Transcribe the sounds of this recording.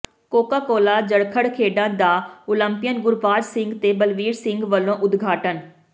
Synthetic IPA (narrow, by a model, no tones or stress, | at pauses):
koːkaːkoːlaːd͡ʒəɽkʰəɽkʰeːɖãːd̪aːʊlə̃mpɪjənɡʊɾpaːɾsɪ̃ŋɡt̪eːbəlʋiːɾsɪŋɡʋəlːõːʔʊd̪ɡʱaːʈən